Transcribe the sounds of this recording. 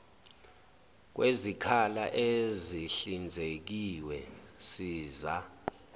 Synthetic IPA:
k̬wʔezikʰalaʔeziɬind͡zʱek̬iwɛsiːza

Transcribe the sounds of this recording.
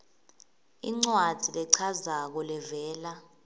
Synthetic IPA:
ḭŋ͡ǀwad̥ʱilɛǀʰazak̬ɔlɛvɛːla

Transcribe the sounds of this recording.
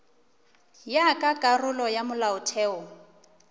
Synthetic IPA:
jakʼakʼarʊlɔjamʊlaʊtʰɛːɔ

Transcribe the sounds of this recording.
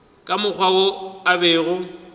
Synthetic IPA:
kʼamʊk͡xʰwawoabeːɣʊ

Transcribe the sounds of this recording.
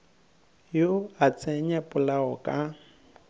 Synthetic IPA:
joat͡sʼɛɲapʼʊlaɔkʼa

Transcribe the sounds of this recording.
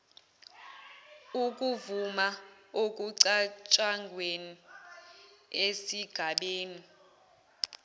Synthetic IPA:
uk̬ʼuvumaok̬ʼuǀat͡ʃʼaŋʱweni | esiɡ̥ʱaɓeːni

